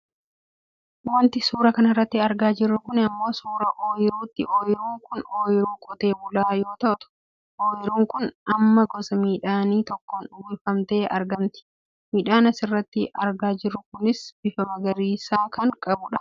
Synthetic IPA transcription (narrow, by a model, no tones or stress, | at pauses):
wɐnt̪ɪsuːɾɐkɐnɐrːɐt̪ːɪɐɾɡaːd͡ʒɪrːʊkʊnɪɐmːo̞ːsuːɾɐʔoːjɪɾuːt̪ːɪʔoːjɪɾuːŋkʊnoːjɪɾuːkʼɔt̪e̞ːbʊlaːjo̞ːt̪ɐʔt̪ʊ̥ | ʔoːjɪɾuːŋkʊnɐmːɐɡɔsɐmiːᶑaːniːt̪ɔkːoːnʊwiːfɐmt̪e̞ːʔɐ̰ɾɡɐmt̪ɪ̥ | miːᶑaːnɐsɪrːɐt̪ːɪʔɐɾɡaːd͡ʒɪrːʊkʊnɪsb̥ɪfɐmɐɡɐɾiːsaːkɐŋkʼɐbʊᶑɐ̥